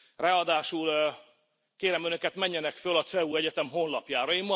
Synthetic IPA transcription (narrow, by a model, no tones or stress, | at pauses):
raɒd̪aːʃul | keːɾɛmønø̞kɛt̪mɛɲːɛnɛkfølɒt̪sɛuːɛɟɛt̪ɛmɦo̞nlɒpjaːɾɒjimɒ